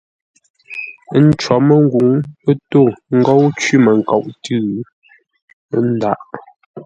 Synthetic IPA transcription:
n̩˦t͡ʃwɔ˨˦mə˦˨ŋ˦ɡu˨˦ŋpə˦to˦˨ŋ̩˦ɡɔ˦wt͡ʃwi˦mə˨ŋ̩˨kɔ˨ʔtʉ˦˨˦ | n̩˦da˦ʔ

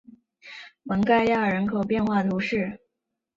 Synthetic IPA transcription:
mə˧˥ŋka˥˧ɪja˥˩ə˞˨˩ɻə˧˥nkʰo˨˩ʊpjɛ˥˧nxwa˥˩t̪u˧˥ʂɻ̩˥˩

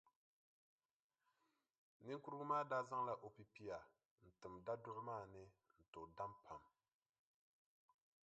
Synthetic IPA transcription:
nɨ˦ŋku˦ɾɡu˦maː˦daː˦za˦ŋla˦ʔo˨pi˦pi˦ja˨ | n̩˨tɨ˨mda˦dʊ˦ʔmaː˦˨nɨ˦ | n̩˨to˨da˦mpʰa˨m

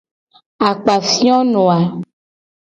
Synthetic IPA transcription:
a˨k͡pa˨fi˦ɔ̃˦nɔ̃˨a˨

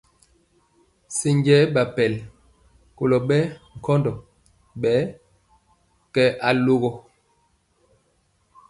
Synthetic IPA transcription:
si˨ŋɡɛ˦ɓa˨pɛ˨l | ko˨lɔ˨ɓɛ˦ŋ̩˨kʰɔ˦ndɔ˨ | ɓɛ˨˦ | kɛ˦ʔa˨lo˦ɣɔ˦

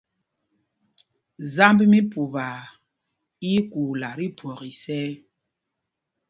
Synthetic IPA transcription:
za˦mbmi˦pu˨βa˨ | i˦ku˨la˨ɾi˦pwɔ˨ɣi˨sɛ˦

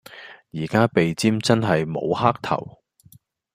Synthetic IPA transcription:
jiː˨˩kaː˥pe˨jt͡siː˥mt͡sɐ˥nɦɐ˨jmo̰˨˧whaː˥k̚t̪ʰɐ̰˨˩w

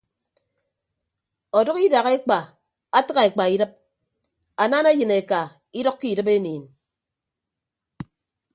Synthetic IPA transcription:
ɔ˨dʌ˦ki˦da˨ɣe˦k͡pa˨ | a˦tɨ˦ɣa˨e˨k͡pa˨i˦dɨ˦p̚ | a˨na˦na˦jɨ˨ne˨ka˨ | i˦dɔ˦kki˦˨dɨ˦p̬e˦niː˨n

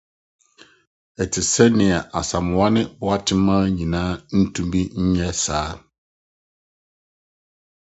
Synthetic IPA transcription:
ɛ˨tʰɪ˨sɛ˦nɪ̃˨ɛ˨ʔa˨sa˨m˨wa˦nɪ̃˦bʊ˦a˦tʰɪ˦mã˦ɲĩ˨nãː˦n̩˦tʰũ˦mbi˦ɲ̩˦ɲɛ̃˦saː˨˦

